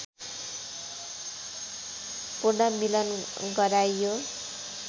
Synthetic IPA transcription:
purnamilʌn | ɡʌɾajjo

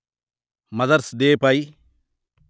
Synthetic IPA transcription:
mɐzɐɾsd̪eːpɐj

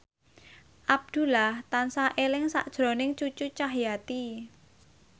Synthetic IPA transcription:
ʔab̚d̪̥ṳlaht̪ansaʔelɪŋsa̰ʔd̥ʒ̥ɾo̤nɪŋt͡ʃut͡ʃut͡ʃaɦjat̪i

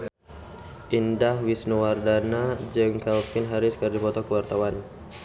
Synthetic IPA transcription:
ʔindahwisnuwardanad͡ʒəŋkalfɪnɦaɾɪskərd͡ʒipɔt̪ɔkəwart̪awan

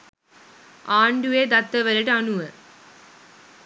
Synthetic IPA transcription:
aːɳɖuʋeːd̪ɐt̪ːɐʋɐɾɐʈɐnuʋɐ

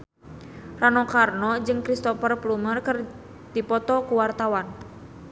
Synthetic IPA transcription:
ranɔkarnɔd͡ʒɨŋkɾist̪ɔpərplumərkər | dipɔt̪ɔkuwart̪awan

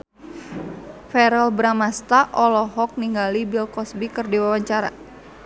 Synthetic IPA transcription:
fɛɾɛlbɾamast̪aʔɔlɔɦɔk̚niŋɡalibilkɔsbikɨrdiwawaɲt͡ʃaɾa̰

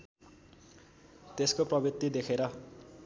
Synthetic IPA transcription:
t̪eskoprʌbrit̪ːid̪ekʰeɾʌ

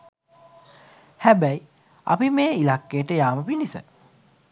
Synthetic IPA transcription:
hæbæi | a̰pimeːilakːejʈəjaːməpinisə

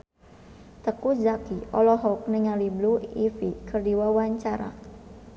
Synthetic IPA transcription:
t̪əkud͡ʒakiɔlɔɦɔk̚niŋalibluifikərdiwawaɲt͡ʃaɾa̰

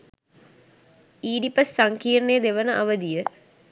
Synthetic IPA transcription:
iːɖipəsːaŋkiːrnejəd̪eʋənəʔaʋəd̪ijə

